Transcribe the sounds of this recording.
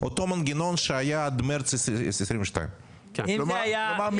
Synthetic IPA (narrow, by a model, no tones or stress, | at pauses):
ɔt̪omanɡɪnonʃɪajaːd̪mɛɾt͡sɪsɪsɾiːmʃta̰ɪn | jamam